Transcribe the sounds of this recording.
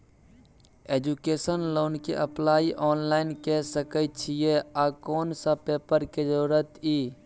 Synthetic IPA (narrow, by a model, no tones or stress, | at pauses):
eːd͡ʒukeːsənloːnkḛʔəplaːiʔɔːnlaːɪnkesəkət̪t͡ʃʰijeaːkoːnsəpeːpəɾked͡ʒəɾuːɾət̪iː